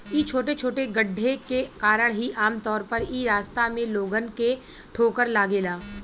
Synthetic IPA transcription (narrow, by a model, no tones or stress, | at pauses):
iːt͡ʃʰoːʈet͡ʃʰoːʈeɡəɖʱːekekaːɾəɽ̃ɦiʔaːmt̪ɔːɾpəɾiːɾaːst̪amẽloːɡənke | ʈʰoːkəɾlaːɡeːlaː